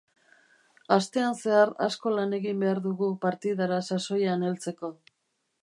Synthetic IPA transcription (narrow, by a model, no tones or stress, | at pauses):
ast̪e̞anse̞aɾa̰sko̞lane̞ɣimbe̞aɾðuɣupaɾt̪iðaɾasaso̞janelt͡se̞ko̞